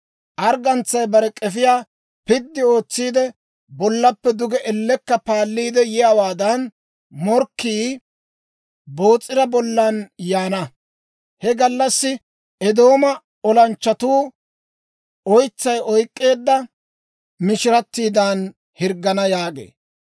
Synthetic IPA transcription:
ʔɐɾɡɐnt͡sːɐjbɐɾɛkʼɛfɪjaː | pɪd̪ːɪo̞ːt͡sːiːd̪ɛ | bɔlːɐpːɛd̪ʊɡɛʔɛlːɛkːɐpaːlːiːd̪ɛjɪjawaːd̪ɐn | mɔɾkːiː | bo̞ːt͡sʼːɪɾɐbɔlːɐnjaːnɐ | hɛɡɐlːɐsːɪ | ʔɛd̪o̞ːmɐ | ɔlɐnt͡ʃːɐt̪uː | ɔjt͡sːɐjɔjkʼːe̞ːd̪ːɐ | mɪʃɪɾɐt̪ːiːd̪an | hɪɾɡːɐnɐjaːɡḛː

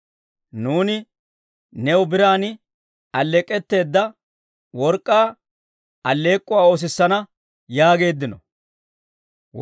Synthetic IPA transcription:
nuːnɪ | nɛwʊbɪɾaːnɪ | ɐlːɛkʼːɛt̪ːe̞ːd̪ːɐ | wɔɾkʼːaː | ʔɐlːe̞ːkʼːʊwaːo̞ːs̬ɪsːɐnɐ | jaːɡe̞ːd̪ːɪnɔ̰

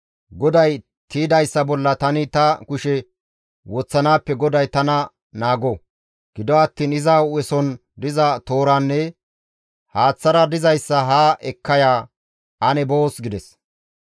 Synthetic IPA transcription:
ɡɔd̪ɐj | t̪iːd̪ɐjsːɐbɔlːɐt̪ɐnɪt̪ɐkʊʃɛ | wɔt͡sːɐnaːpːɛɡɔd̪ɐjt̪ɐnɐ | naːɡɔ | ɡ̥ɪd̪ɔɐt̪ːiːnɪzaːʊɛsɔn | d̪ɪzɐt̪oːɾanːɛ | haːt͡sːɐɾɐd̪ɪzɐjsːɐɦaːʔɛkʰːɐjaː | ɐnɛbo̞ːsɡɪd̪ɛs

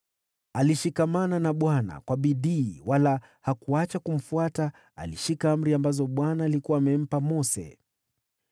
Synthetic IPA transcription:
aliʃikamananaɓwana̰kwaɓiɗiːwala | hakuat͡ʃakum̩fuata | a̰liʃikaam̩ɾiambazɔɓwanaːlikuwaːmɛm̩pamɔsɛ̰

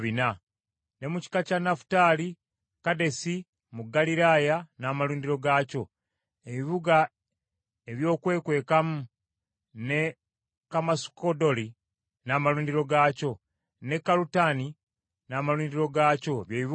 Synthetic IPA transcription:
βina | ne̞muci̥kacanafu̥taːli | kade̞si | muɡːaliɾaːjanaːmaluːndiɾo̞ɡaːco̞ | e̞βiβuɡa | e̞βjo̞ːkwe̞ːkwe̞ːkamu | ne̞ | kamasu̥kodo̞li | naːmaluːndiɾo̞ɡaco̞ | ne̞kːalutani | naːmaluːndiɾo̞ɡaːco̞βjeːβiβ

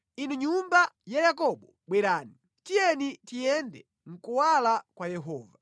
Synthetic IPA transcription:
inuɲumbajajakɔɓɔɓwɛɾaːni | tijɛnitijɛndɛ | ŋ̩kuwalakwajɛɦɔːva

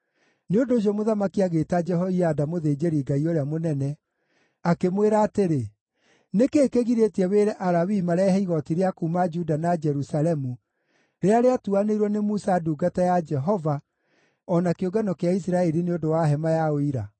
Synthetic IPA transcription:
neondoːɕ̬iɔmoðamakiaɣeːtad͡ʒɛɦɔiadamoðeːd͡ʒeɾiɡaioɾeamonɛnɛ | akemweɾaːteɾe | nekeːkeɣiɾetiɛweɾɛʔaɾawimaɾɛɦɛiɣɔtiɾeakuːmad͡ʒudanad͡ʒɛɾusalɛmu | ɾeaɾeatuaneiɾwɔnemusaduːɡatajad͡ʒɛɦɔva | ɔnakeoɡanɔkeaisiɾaɛɾineondowaɦɛmajaoiɾa̰

